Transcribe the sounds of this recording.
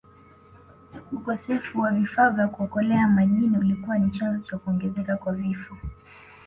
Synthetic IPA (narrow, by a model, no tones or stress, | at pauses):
ukɔsɛfuwavifaːvjakuɔkɔlɛamaʄiniulikuwanit͡ʃanzɔt͡ʃakuɔŋɡɛzɛkakwavifɔ